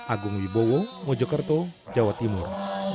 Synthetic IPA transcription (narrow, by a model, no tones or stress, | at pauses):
aɡuŋwibowoŋɔd͡ʒɔkərt̪od͡ʒawat̪imur